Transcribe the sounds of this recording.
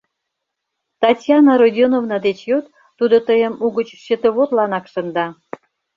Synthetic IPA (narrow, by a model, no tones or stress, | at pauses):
t̪ɑtʲjɑnɑɾodʲonovnɑd̪et͡ɕjot̪ː | ud̪ot̪əjə̆muɣət͡ɕʃət̪əβot̪lɑnɑkʃə̆nd̪ɑ